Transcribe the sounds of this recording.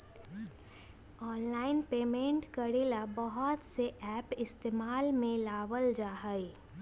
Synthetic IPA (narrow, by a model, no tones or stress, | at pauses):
ɔːnlaːɪnpeːmẽːɳʈkəɽiːlabɐɦɔt̪seʔɛːpɪst̪eːmaːlmẽlaːʋəld͡ʒaːɦəi